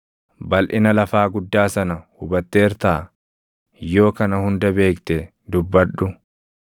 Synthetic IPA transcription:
bɐlʔɪnɐlɐfaːɡʊd̪ːaːsɐnɐhʊbɐt̪ːe̞ːɾt̪aː | jo̞ːkɐnɐhʊnd̪ɐbe̞ːkt̪ɛ | d̪ʊbːɐᶑʊ

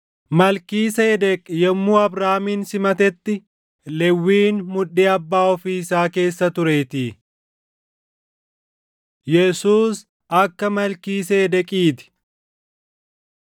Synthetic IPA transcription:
mɐlkiːsɐɛd̪ɛkʼjɛmːuːɐbɾaːmiːnsɪmɐt̪ɛt̪ːɪ | lɛwːiːnmʊᶑiːɐbːaːɔfiːɪsaːke̞ːsːɐt̪ʊɾe̞ːt̪iː | jɛsuːs | ɐkːɐmɐlkiːsɛɛd̪ɛkʼiːt̪ɪ̥

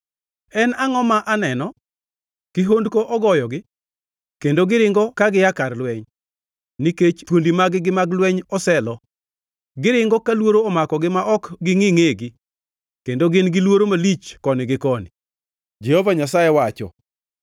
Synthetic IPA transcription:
ɛnaŋɔmaʔanɛnɔ | kɪɦondkoʔɔɡɔjɔɡɪ | kendoɡɪɾɪŋɡɔkaɡɪjakarlwɛɲ | niket͡ʃtwondimaɡɪɡɪmaɡlwɛɲɔsɛlɔ | ɡɪɾɪŋɡɔkalwoɾoːmakɔɡɪmaʔɔkɡɪŋɪŋeɡɪ | kendoɡɪnɡɪlwoɾomalit͡ʃkɔnɪɡɪkɔnɪ | d͡ʒɛhovaɲas̬ajɛwat͡ʃɔ̰

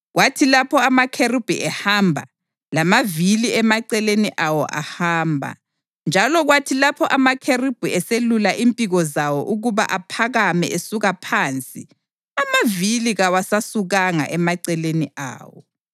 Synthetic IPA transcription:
ɣwatʰilapʰɔamakʰerib̥ʱuʔɛhambʱa̰ | lamaviliɛmaǀɛleniʔawɔ̰ʔa̰haːmbʱa̰ | nd͡ʒʱalɔɣwatʰilapʰɔʔamakʰerib̥ʱuɛselulaʔimpʼiɣɔzawɔʔuɣuβa̰ʔapʰaɣamɛʔesuɣapʰant͡sʼḭ | amaviliɣawasasuɣaŋa̰ʔɛmaǀɛleniʔa̰ːwɔ̰

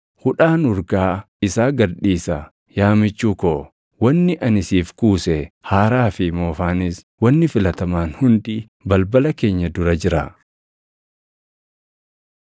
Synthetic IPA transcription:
hʊᶑaːnʊɾɡaː | ɪsaːɡɐɾᶑiːsɐ | jaːmɪt͡ʃːuːkoː | wɐnːɪʔɐnɪsiːfkuːsɛhaːɾaːfɪmoːfaːnɪs | wɐnːɪfɪlɐt̪ɐmaːnhʊnd̪i | bɐlbɐlɐke̞ːɲːɐd̪ʊɾɐd͡ʒɪɾɐ

